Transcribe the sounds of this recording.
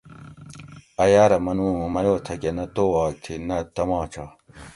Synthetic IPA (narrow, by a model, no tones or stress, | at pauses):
ɐjaːɾɐmɐnũːmɐjoːt̪ʰɐkenɐt̪oːwaːk̚t̪ʰinɐt̪ɐmaːt͡ɕʰa